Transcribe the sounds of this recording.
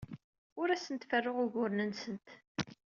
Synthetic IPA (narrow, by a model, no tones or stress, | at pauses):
ʊɾæsənt̪fərːʊʁʊʝʊɾnənsənt̪